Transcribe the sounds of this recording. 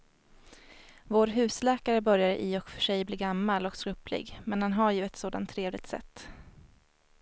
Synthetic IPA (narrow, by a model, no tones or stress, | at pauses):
voːɾɦʉ̟ːslɛːkaɾəbœɾjaɾəʔɪɔkfœʂɛjbliːɡamːalɔkskɵpʰlɪ̰ɡmɛnhanɦaɾjɵɛt̪soːd̪a̰nt̪ʰːɾeːvlɪɡ̚t̪sɛ̰t̪ː